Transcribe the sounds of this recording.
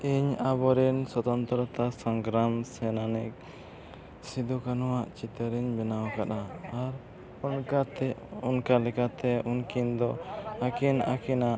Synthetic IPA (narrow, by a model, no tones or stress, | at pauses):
iɲabɔɾɛnsɔt̪ɔnt̪ɾɔt̪asɔŋɡɾamsɛnanɛk̚ | sid̪ukanɔwaʔt͡ʃit̪əɾiɲbɛnawakaɗ̪aːɾ | unkat̪ɛunkalɛkat̪ɛunkind̪ɔakina̰kinaʔ